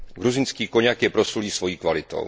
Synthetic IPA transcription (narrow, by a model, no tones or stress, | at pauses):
ɡɾuzɪnskiːko̞ɲakjɛpɾo̞suliːsvo̞jiːkvalɪt̪o̰w